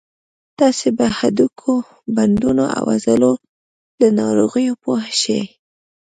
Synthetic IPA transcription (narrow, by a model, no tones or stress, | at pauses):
t̪ɑsebahad̪ukʰo | band̪unoʔa̰wazəlo | d̪ənɑɾoɣəjopohaʃḛ